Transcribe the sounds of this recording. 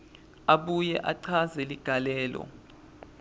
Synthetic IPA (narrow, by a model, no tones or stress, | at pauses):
aɓujɛʔaǀʰazɛliɡ̥ʱalɛːlɔ̰